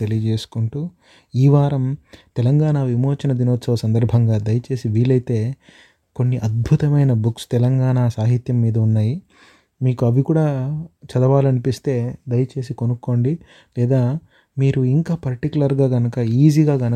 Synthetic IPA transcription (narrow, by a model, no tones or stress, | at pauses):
t̪e̞lijɐd͡ʒe̞ːsu̥kuɳʈuː | iːʋaːɾɐmt̪ɛlɐŋɡaːɳaːʋimoːt͡ʃinɐd̪inoːt̪sɐʋɐsɐnd̪ɐɾbʱɐŋɡaːd̪ɐjɐt͡ʃe̞ːsiʋiːɭɐjt̪e̞ː | ko̞nːiʔɐd̪̚bʱut̪ɐmɐjnɐbukst̪ɛlɐŋɡaːɳaːsaːɦit̪jɐmːiːd̪ɐunːaːji | miːkuɐʋikuːɽaːt͡ʃɐd̪ɐʋaːlɐnipist̪e̞ːd̪ɐjɐt͡ʃe̞ːs̬iko̞nukːo̞ːɳɖi | lɛːd̪aː | miːɾuiŋkaːpɐɾʈikulɐɾɡaːɡɐnɐkɐiːziːɡaːɡɐn